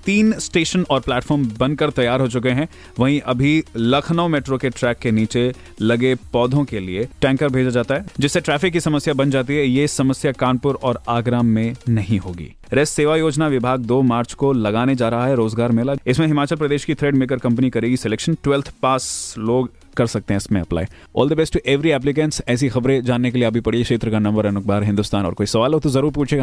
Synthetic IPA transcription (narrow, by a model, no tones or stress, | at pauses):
t̪iːnsʈeːʃənɔːɾplɛːʈfɔːɾmbɐ̃nkɐɾt̪ɐjaːɾɦot͡ʃʊk̬eɦɛ̃ | ʋɐɦĩʔɐbʱilɐkʰnəmeːʈɾokeʈɾɛːkːeniːt͡ʃe | lɐɡepɔːd̪ʱõkelieʈɛ̃ːŋkəɾbʱeːd͡ʒad͡ʒaːt̪aɦɛːd͡ʒɪsːeʈɾɛːfɪkːisɐməsjabɐ̃nd͡ʒaːt̪̬iɦɛjesɐməsjakaːnpʊɾɔːɾaːɡɾaːmːẽnɐɦĩɦoːɡḭː | ɾɛːsːeːʋajoːd͡ʒnaʋɪbʱaːɡ̚d̪oːmaːɾt͡ʃkolɐɡaːned͡ʒaːɾɐɦaɦɛɾoːzɡaːɾmeːlaɪsmẽɦɪmaːt͡ʃəlpɾɐd̪eːʃkit̪ʰɾeːɖmeːk̬əɾkɐ̃mpnikɐɾeːɡiseleːkʃənʈwɛlt̪ʰpaːsloːɡ | kɐɾsɐk̚t̪ẽɦɛ̃ɪsmẽɐpla̰ːe | ɔ̰ːld̪əbɛsʈːuʔeʋɾiɛːp̬lɪk̬ɛ̃nsɛːs̬ixɐbɾẽd͡ʒaːnːek̬elieɐbʱipɐɽieʃeːt̪ɾəkanɐ̃mbəɾɛnʊk̚baːɾɦɪ̃nd̪ʊst̪aːnɔːɾkoːisɐʋaːlɦot̪uzɐɾuːɾpuːt͡ʃʰeːɡa